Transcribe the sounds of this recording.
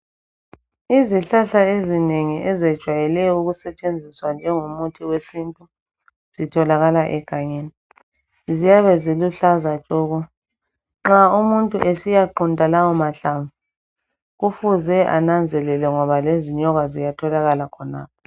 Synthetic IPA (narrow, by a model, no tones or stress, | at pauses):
iziɬaɬaezineŋiʔɛzɛd̥ʒ̥ʱwajɛlɛɔuɣusɛt͡ʃʼend͡zʱiswand͡ʒʱɛŋumutʰiwesintʼu | z̥itʰɔlaɣalaʔɛɡ̥ʱaɲeːni | zijaβɛziluɬazat͡ʃʼɔːɣɔ | ŋ͡ǁaumuntʼuʔesijaǃundʱʼalawɔmaɬaɱvu | ɣufuzɛʔa̰nand͡zʱɛlɛlɛŋɔβaleziɲɔɣazijatʰɔlaɣalakʰɔna̰ːp̚ɔ